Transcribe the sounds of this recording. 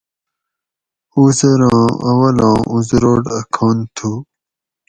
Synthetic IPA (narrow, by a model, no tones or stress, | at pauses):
uzɐɾɑ̃ːɐwɐlɑ̃ːuzɾoːɖɐkʰoːnt̪ʰu